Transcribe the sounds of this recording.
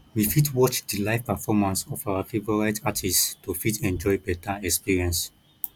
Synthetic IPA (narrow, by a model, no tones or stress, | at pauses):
wifitwɔt͡ʃdilaɪfpɛfɔmãnsɔfawafevɔɹaɪtatʰistofitʰɛ̃nd͡ʒɔɪbɛtaɛkspiɹiɛ̃ns